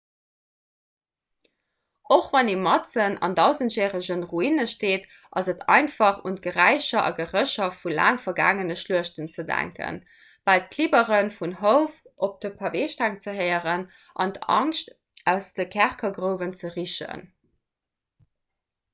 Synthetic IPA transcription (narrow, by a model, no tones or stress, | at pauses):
oχvɑneːmɑtt͡sənɑ̰ndɑʊzəntɛːʁəʑənʁuinəʃteːt | ʔɑzətʰɑ̰ɪnfɑχṵnt̚ɡ̥əʁæɪɕɐʔɑ̰ɡəʁəɕɐfula̰ːŋfɐɡa̰ːŋənəʃluəʃtənt͡sədæ̰ŋkə̰n | b̥ɑlt̚kʰlibəʁənfunɦoʊfʔop̚d̥əpʰɑveːʃtʰæŋt͡səɦəɪəʁən | ʔɑ̰ndɑ̰ŋʃt | æʊsdəkʰæʁkɐɡʁəʊvənt͡səʁiʃə̰n